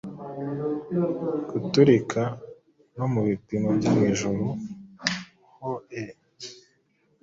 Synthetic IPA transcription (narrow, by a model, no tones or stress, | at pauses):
ɡ̥utuɾikʰa | no̞muβipimobɟomŋiːʒuɾu | hoe